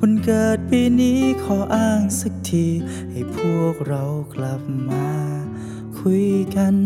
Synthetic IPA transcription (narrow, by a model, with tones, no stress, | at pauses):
pʰo˧˥nkɤː˧˩t̪̚piː˧niː˦˥kʰɔː˨˩˦ʔaː˧˥˩ŋsa˧˦k̚t̪ʰiː˧ | ha˨˩jpʰu˧˩ək̚ɾa˧wkla˧˦p̚maː˧˦ | kʰu˧˥jka˧n